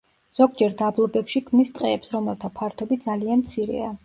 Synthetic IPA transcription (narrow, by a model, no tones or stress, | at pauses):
z̥ɔɡ̚d͡ʒɛɾd̪ablˠɔbɛpʃikʰmnist̪ʼqʼɛːpsɾɔmɛlˠt̪ʰapʰaɾt̪ʰɔbit̚d̪zalianmt̪sʰiɾɛ̰a